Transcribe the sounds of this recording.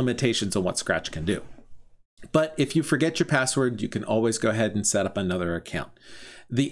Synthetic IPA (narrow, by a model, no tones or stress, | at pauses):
ɪmɨ̃ntʰeɪʃɨ̃nzn̩wʌ̰tskɹæ̰t͡ʃkʰɨ̃ndʉ | b̥ʌɾɪfjɨfə˞ɡɛt͡ʃə˞pʰæswə˞djɨkʰɨ̃nʔɔ̰lˠwizɡoʊɨɦɛɾn̩sɛɾʌpənʌðə˞ɨkʰãʊ̃nði